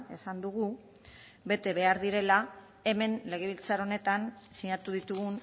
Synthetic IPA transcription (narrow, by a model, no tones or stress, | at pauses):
e̞sand̪uɣu | βe̞t̪e̞βe̞aɾðiɾe̞la | e̞me̞nle̞ɣ̞e̞βilt͡saɾo̞ne̞t̪ansiɲaɾt̪uðit̪uɣun